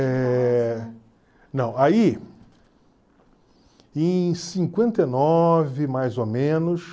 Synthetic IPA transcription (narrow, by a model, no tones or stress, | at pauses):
ɛ | nɐ̃w̃ai | ẽj̃sĩŋkwẽnt̪enɔvɪmajzomẽnʊs